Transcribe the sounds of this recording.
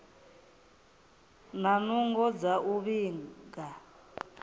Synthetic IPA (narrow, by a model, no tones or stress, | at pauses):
nanuŋɡɔd͡zaʔuβiːŋɡa